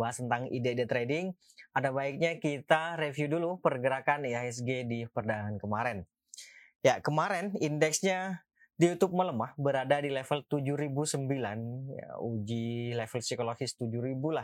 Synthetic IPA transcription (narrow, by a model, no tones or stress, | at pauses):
aɦast̪ənt̪aŋḭdaidat̪ɾedɪŋ | adabaɪk̚ɲakit̪aɾefjudulupərɡəɾakanaɛs̬ɡedipərdaɦankəmaɾɛn | jakəmaɾɛnindɛksɲa | dijut̪ʊp̚mələmahbəɾadadilɛfəlt̪ud͡ʒuɾibusəmbilanja̰ud͡ʒilɛfəlsikoloɡɪst̪ud͡ʒuɾibulah